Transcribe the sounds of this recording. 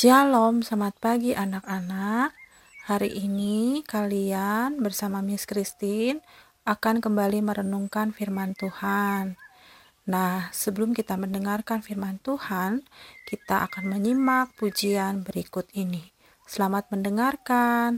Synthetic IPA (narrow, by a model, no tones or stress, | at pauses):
d͡ʒalɔmsamat̪̚paɡiʔanakanak̚ | haɾḭʔːnikalianbərsamamiskɾist̪in | ʔakankəmbaliməɾənuŋkanfirmant̪uhanː | ahsəbəlʊmkit̪aməndəŋarkanfirmant̪uhankit̪aʔa̰kanməɲimak̚pud͡ʒianbəɾikʊt̪ini | səlamat̪̚məndəŋarkan